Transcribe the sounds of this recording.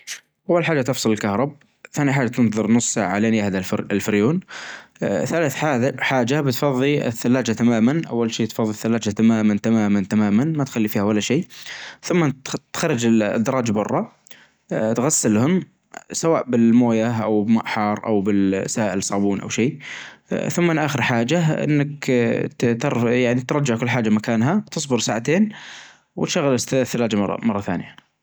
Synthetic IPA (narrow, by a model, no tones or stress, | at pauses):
ʔawːalħaːd͡ʒat̪ɨfsˤɨlɪlkahɾˤɑb | θaːniħaːd͡ʒat̪ɪnðˤɨɾˤnʊsˤːaʕaleːnjahd̪aɪlfɪɾjuːn | θalaːθaːħaːd͡ʒabɪt̪fɑðˤːiɪ̰θːalːaːd͡ʒat̪amaːmanʔa̰wːalʃeːt̪fɑðˤːiθːalːaːd͡ʒat̪amaːmant̪amaːmant̪amaːmanmat̪xalːifiːhawalːaʃeːθʊmːat̪xɑrˤːɑd͡ʒɪ̰d̪ːɑɾˤɑːd͡ʒbʊrˤːɑ | t̪ɣasːɪlhʊm | sawaːʔbɪlmoːjaʔa̰wbma̰ʔħɑɾˤʔa̰wbɪlsaːʔɪlsˤɑːbuːnʔa̰wʃeː | θʊmːɪnʔaːxɪɾħaːd͡ʒaʔɪ̰nːak | t̪ɑɾjaʕnit̪ɾˤɑd͡ʒːaʕkʊlːħaːd͡ʒamakaːnɦat̪ɨsˤbʊɾsaːʕat̪eːn | wɪt̪ʃaɣːalɪθːalaːd͡ʒamɑrˤːɑ̰mɑrˤːɑθa̰ːnɪja